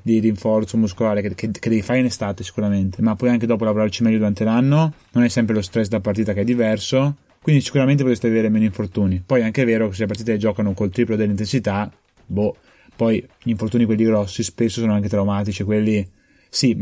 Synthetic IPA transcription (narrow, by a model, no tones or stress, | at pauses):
d̪iriɱfɔrt̪somuskolaːɾekekeked̪ɛvifaɾeinest̪aːt̪esi̥kuɾament̪emapːɔjaŋked̪ɔːp̬olavoɾart͡ʃimɛlːʎːod̪uɾant̪elanːononɛsːɛmpɾelost̪ɾɛs̬d̪apaɾrt̪̬iːt̪akeɛd̪ːivɛrso | kwind̪isi̥kuɾament̪epot̪est̪eaveveːɾemeːnoiɱfort̪uːnipɔjɛaŋkeveːɾokes̬elap̬art̪it̪eed͡ʒɔːkanokolt̪ɾiːplod̪elːint̪ensit̪a | bo | pɔjʎiɱfort̪uːnikwelːiɡɾɔsːispesːosoːnoaŋk̬et̪ɾawmaːt̪̬it͡ʃikwelːi | si